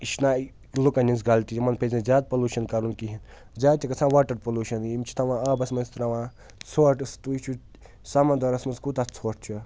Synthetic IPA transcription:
iʃnaː | lukɐnʲins̬ɡɐlt̪iimɐnpʰezizʲaːd̪̚pɐluʃɐnkɐɾunkiɦin | zʲaːd̪t̪ʲikɐt͡sʰãːʋaʈɐɾpolʲuʃɐnimt͡ʃʰi̥t̪ʰaʋãːaːbɐsmɐnst̪ɾaʋãː | t͡sʰoːʈɨst̪uit͡ʃʰu | sɐmɐnd̪ɐɾɐsmɐnskut̪at͡sʰoːʈ̚ʰt͡ʃʰu

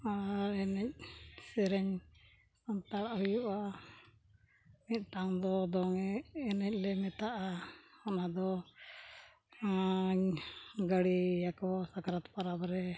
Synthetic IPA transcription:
aɾɛnɛc̚sɛɾɛɲ | sant̪aɽaʔɦujuʔa | mit̪̚ˀʈaŋd̪ɔd̪ɔŋɛːnɛc̚ˀlɛmɛt̪aʔaɔnad̪ɔ | ɲɡəɽijakɔsakaɾat̪paɾabɾɛ

